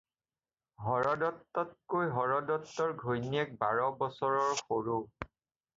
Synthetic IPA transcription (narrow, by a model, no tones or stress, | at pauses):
ɦɔɹɔdɔtːɔt̚kojɦɔɹɔdɔtːɔɹɡʱojniɛk̚baɹɔbɔsɔɹɔɹxoɹu